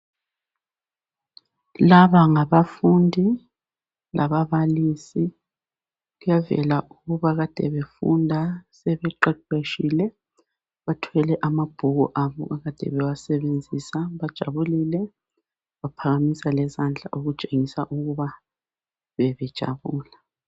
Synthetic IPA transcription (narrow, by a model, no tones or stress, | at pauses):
laβaŋaβafundʱi | lʔaβaβalisi | ɣujavɛ̰laʔuɣuβaɣad̥ʱɛβefṵndʱasɛβɛǃɛǃeʃilɛ | βatʰɛlɛʔamab̥ʱuɣṵʔaβɔ̰ɣaɣad̥ʱɛ̰βɛwasɛβend͡zʱisaβad̥ʒ̥ʱa̰βuliːlɛ | βapʰaɣamisalɛzand͡ɮʱa̰ʔuɣud̥t͡ʃʼeŋisaʔuɣuβa | βɛβɛd̥ʒ̥ʱa̰βuːla